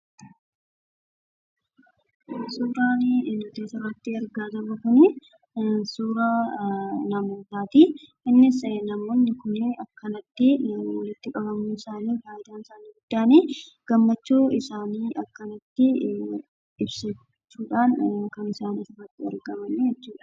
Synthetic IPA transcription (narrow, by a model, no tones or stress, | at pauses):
suːɾaːnnɐt̪eːsɪrɐt̪ːɪɐɾɡaːd̪ɐmɐkʊnɪ | suːɾaː | nɐmo̞ːt̪aːt̪i | ɪnːɪsnɐmoːnːɪkʊnɐkːɐnɐt̪ːɪwɐlɪt̪ːɪkʼɐbɐmuɪsaːniːfaːɪd̪aːnɪsaːniːɡʊd̪̥ːaːniːɡ̥ɐmːɐt͡ʃːuːɪsaːniːʔɐkːɐnɐt̪ːɪ | ɪbsɛ | t͡ʃːuːᶑaːnkɐnɪsaːniːsɐrːɐt̪ːɪɐ̰ɾɡɐmɐnːejɛt͡ʃːuːᶑɐ̥